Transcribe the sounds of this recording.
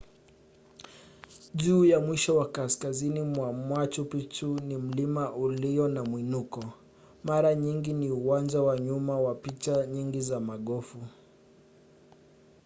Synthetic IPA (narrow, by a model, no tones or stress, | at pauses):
ʄuːjamwiʃɔwakaskazinimwamwat͡ʃupit͡ʃunim̩limaʔuliɔnamwinukɔ | maɾaɲiŋɡiniuwand͡ʒawaɲumawapit͡ʃaɲiŋɡizamaɠɔfu